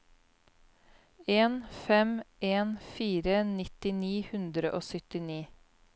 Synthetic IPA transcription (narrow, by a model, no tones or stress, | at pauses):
eːnfɛmʔeːnfiːɾənɪt̪ɪniːhʉnd̪ɾəʔoːsœt̪ɪniː